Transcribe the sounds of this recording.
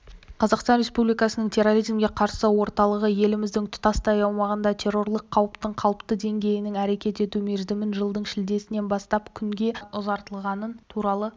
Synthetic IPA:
qʰɑzɑqst̪ɑnɾʲe̞spublijkɑsənəɴt̪ʲʰe̞rːo̞ɾijzmɡʲe̞qʰɑɾsəwo̞ɾt̪ɑlˠəʁəje̞lɪmɪzd̪ɪŋt̪ʰʊ̥t̪ɑst̪ɑjɑwmɑʁənd̪ɑt̪ʰe̞rːo̞rlˠəqʰːɑwəpt̪əɴqʰɑlˠəpt̪əd̪e̞ŋɡʲe̞jɪnɪŋæɾe̞kʲe̞t̪e̞t̪ume̞zd̪ɪmɪnʒəlˠd̪əɴʃɪld̪e̞sɪne̞nbɑst̪ɑpkʲʰʏŋɡʲe̞ʊzɑɾt̪əlˠʁɑnənt̪ʰuɾɑlˠə

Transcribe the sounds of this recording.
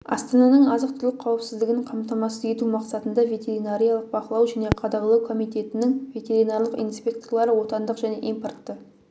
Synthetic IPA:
ɑ̰st̪ɑnɑnəɴɑzəqt̪ʰʏɾlɪk̚ʲqʰːɑwəpsɪzd̪ɪɡʲɪɴqʰɑmt̪ɑmɑsəe̞t̪umɑqsɑt̪ənd̪ɑvʲe̞t̪ʲe̞ɾinaɾʲijɑlˠəq̚bɑqəlˠɑwʒæne̞qʰɑd̪ɑʁəlˠɑwkʰo̞mijt̪e̞t̪ɪnɪŋvʲe̞t̪ʲe̞ɾinaɾlˠəqḭnspʲe̞kt̪o̞rlˠɑɾəwo̞t̪ɑnd̪əqʒæne̞̰ʔimparkt̪ːə

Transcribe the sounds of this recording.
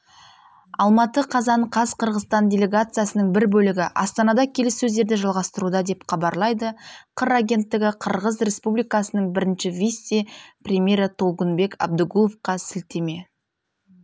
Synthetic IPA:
ɑlˠmɑt̪əqʰɑzɑɴqʰɑzqʰəɾʁəzt̪ɑndʲe̞lʲe̞ɡat̪sɨjasənəɴbɪɾbɵlɪɡʲɪʔɑ̰st̪ɑnɑd̪ɑkʲʰe̞lɪsːɵzd̪e̞ɾd̪ɪʒɑlˠʁɑst̪əɾud̪ɑd̪e̞pχɑbɑɾlˠɑjd̪əqʰəɾaɡʲe̞nt̪ːɪɡʲɪqʰəɾʁəzrʲe̞spublijkɑsənəɴbɪɾɪnʃɪvʲisprʲemʲje̞ɾt̪ʰo̞lˠʁənbe̞kɑ̰b̚d̪əɡulˠofqɑsɪlt̪e̞me̞

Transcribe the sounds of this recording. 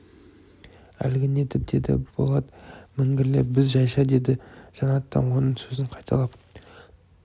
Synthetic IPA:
æ̰lɡʲɪne̞t̪ɪp̚d̪e̞d̪ɪ̰bo̞̰lˠɑd̪əmɪŋɡʲɪɾle̞pbɪzʒɑjʃɑd̪e̞d̪ɪʒ̥ɑnɑt̪ːɑ̰nwo̞nəɴsɵzɪɴqʰɑjt̪ʰɑlˠɑp

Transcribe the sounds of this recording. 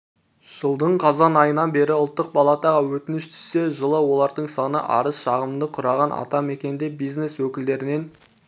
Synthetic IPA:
ʒ̥əlˠd̪əɴqʰɑzɑnɑjənɑnbe̞ɾɪʊlˠt̪ːəq̚bɑlˠɑt̪ɑʁɑwɵt̪ɪnɪʃt̪ʰʏ̥sse̞ʒəlˠəwo̞lˠɑɾd̪əɴsɑnə̰ʔɑ̰ɾəsʃɑʁəmd̪əqʰʊɾɑʁɑnʔɑ̰t̪ɑme̞kʲe̞nɪnd̪e̞bijzne̞swɵkʲɪld̪e̞ɾɪne̞n

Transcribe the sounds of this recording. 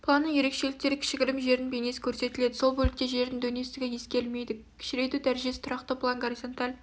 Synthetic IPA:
pʰlˠanːəje̞ɾe̞kʃe̞lɪk̚t̪e̞ɾɪkʲʰɪ̥ʃɪɡʲɪɾɪmʒe̞ɾɪnbene̞sɪ̥kʲʰɵɾse̞t̪ɪle̞d̪ɪso̞lˠbɵlɪk̚t̪eʒe̞ɾd̪ɪŋd̪ɵnie̞sɪ̥t̪ɪɡʲɪje̞skʲe̞ɾlme̞jd̪ɪ | kʲʰɪ̥ʃɪɾe̞jt̪ud̪æɾʒesɪt̪ʰɾɑqt̪əplˠaŋɡoɾizo̞nt̪alʲ

